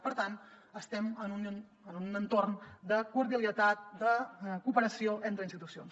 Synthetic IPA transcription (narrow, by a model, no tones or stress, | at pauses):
pəɾt̪ant̪ | əst̪ɛmənun | ənunənt̪ornd̪əkuɾðiəliət̪at̪̚d̪əkupəɾəsioʔent̪ɾəinst̪it̪usions